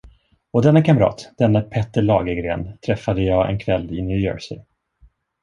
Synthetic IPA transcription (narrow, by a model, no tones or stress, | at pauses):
ɔd̪ɛnːakʰamɾɑ̰ːt̪d̪̥ɛnːapʰɛt̪ːəɭɑːɡəɡɾḛːnt̪ʰɾɛfːad̪əjɑːɛ̰nkʰvɛlːɪnjʉːjø̰ːɹsɪ̰